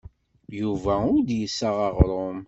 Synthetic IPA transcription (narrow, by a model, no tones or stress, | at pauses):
juvæʊɾd̪jəsːaʁɑʁɾˤom